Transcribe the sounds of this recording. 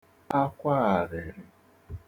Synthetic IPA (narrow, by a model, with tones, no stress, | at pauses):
a˦kʷa˦a˨ɾɪ˨ɾɪ˦